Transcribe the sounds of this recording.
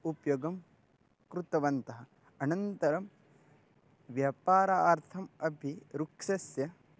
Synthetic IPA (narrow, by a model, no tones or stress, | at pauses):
upjoɡɐm | kɾut̪ɐʋɐnt̪ɐɦɐ̆ | ɐnɐnt̪ɐɾɐm | ʋjɐːpaːɾaaːɾt̪ʰɐmɐbʱiɾukʃɐsjɐ